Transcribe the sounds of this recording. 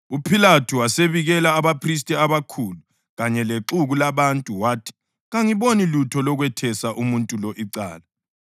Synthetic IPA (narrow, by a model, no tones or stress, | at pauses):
upʰilatʰuwaseβiɣɛlaːβapʰris̬tʼɛaβakʰulu | ɣaɲɛleǁuɣulaβantʼuwaːtʰi̥ | ɣaŋiβonilutʰɔlɔɣwɛtʰɛsaʔumuntʼulɔʔiǀa̰ːla